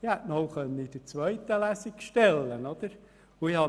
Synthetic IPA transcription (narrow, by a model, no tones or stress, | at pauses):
ɪhætnɔʊχœnəid̥ət͡sʋœʏt̪əlæsikʃtɛlːənod̪̥əɾ | ʊihɑ